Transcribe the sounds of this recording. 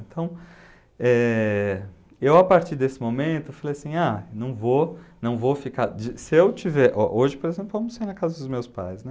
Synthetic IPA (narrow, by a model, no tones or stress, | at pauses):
ẽnt̪ʰɐ̃w̃ | ɛ | ewapaɾt͡ʃiɾd̪esɪmomẽnt̪ʊfalejasĩanɐ̃w̃vonɐ̃w̃vofikaɾd͡ʒisɪewt͡ʃivɛɾʔɔʔoʒɪpoɾezẽmplʊvɐ̃mʊsaiɾnɐkazɐd̪ʊzmewspa̰jsnɛ